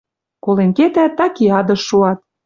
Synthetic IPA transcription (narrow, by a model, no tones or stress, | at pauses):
kolenket̪æt̪ːɑkiɑd̪ɤ̆ʃːuɑt̪̚